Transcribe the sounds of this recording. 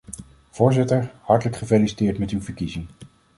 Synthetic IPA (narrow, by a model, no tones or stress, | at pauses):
v̥ʊːɹzɪtəɹhɑɹtələkχəfejlisi̥tɪːɹtmɛtywvəɹkizɪŋ